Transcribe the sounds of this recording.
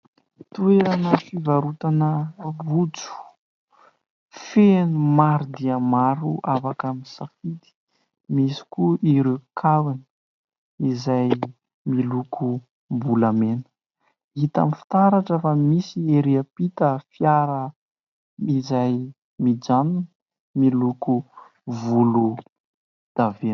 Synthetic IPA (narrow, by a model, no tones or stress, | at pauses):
t̪ueɾanəfivaɾut̪anəvut͡su̥ | fenumaɾud̪iəmaɾuafakamisafit̪i̥ | misi̥kuʔiɾekʰawini̥ | izaj | milukʰu | mbulamen | it̪a̰mifi̥t̪aɾaʈ͡ʂefəmisieɾiəpit̪əfjaɾə | izaj | mid͡ʒanun | miluku | vulu | d̪̥ave